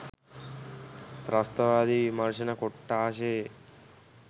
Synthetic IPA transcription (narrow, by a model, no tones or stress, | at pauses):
t̪ɾɐst̪ɐʋaːd̪imɐɾʃinɐkɔʈːaːʃeː